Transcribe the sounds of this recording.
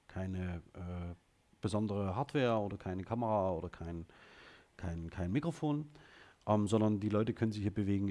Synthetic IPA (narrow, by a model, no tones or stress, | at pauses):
kʰaɪnəʔɛː | b̥əzɔndəʁəɦaːɐtv̥ɛːɐʔoːdɐkʰaɪnəkʰaməʁaːoːdɐkʰaɪn | kʰaɪnkʰaɪnmikʁ̥ofoːnʔɛːmzɔndɐndiːlɔʏtəkʰœnənzɪçhiːɐbəveːɡŋ̩